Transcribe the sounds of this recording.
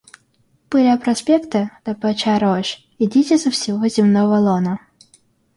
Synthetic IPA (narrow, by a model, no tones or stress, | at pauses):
pɨlʲapɾɐsʲpʲekt̪əd̪̥ɐpɐt͡ɕaɾoʃ | ɪdʲitʲɪsəfsʲɪvozʲɪmnovəlˠonə